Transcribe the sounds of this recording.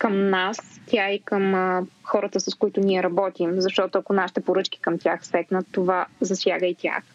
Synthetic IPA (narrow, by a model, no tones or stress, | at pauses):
kəmnast̪ʲjaikəmxɔɾət̪əsɐskoit̪ʊniɛɾɐbɔt̪imzɐʃt̪ɔt̪oɐkonaʃi̥t̪ɛpoɾɤt͡ʃki̥kəmt̪ʲjaxsɛknət̪ːovazɐsʲja̰ɡəit̪ʲja̰x